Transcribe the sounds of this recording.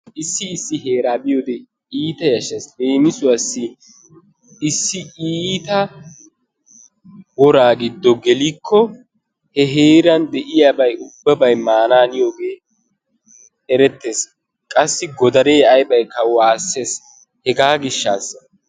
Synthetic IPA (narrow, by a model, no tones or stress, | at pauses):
ʔɪsːɪːsːɪɦe̞ːɾaːbɪjod̪ɛ | iːt̪ɐjɐʃɐsleːmɪsʊwɐsːɪ | ɪsːɪʔiːt̪ɐ | wɔɾaːɡɪd̪ːɔɡɛlikʰːɔ | hɛɦeːɾɐnd̪ɛʔɪjaːbɐjʊbːɐbɐjmaːnaːnɪjoːɡe̞ː | ɛɾɛt̪ːe̞ːs | kʼɐsːɪɡɔd̪ɐɾeːɐjbɐjkːɐwaːsːe̞ːs | hɛɡaːɡɪʃːaːsːɐ